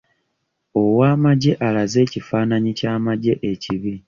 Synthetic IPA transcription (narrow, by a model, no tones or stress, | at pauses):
o̞waːmaɟe̞ʔalaze̞ːcifaːnaɲicaːmaɟe̞ʔeciβi